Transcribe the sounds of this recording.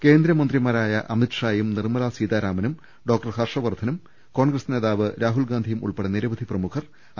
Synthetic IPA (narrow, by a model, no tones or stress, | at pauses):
ke̞ːnd̪ɾɐmɐnd̪rimaːɾaːjɐʔɐmitʂaːjumnirmɐlasiːd̪aːɾaːmɐnum | ɖo̞ːk̚ʈɐrhɐrʂɐʋɐrd̪ʱɐnum | ko̞ːɳɡrɐsne̞ːðaːʋɨɾaːɦulɡaːnd̪ʱijumʔṵɭpeɽɐniɾɐʋɐd̪ʱiprɐmukʰɐr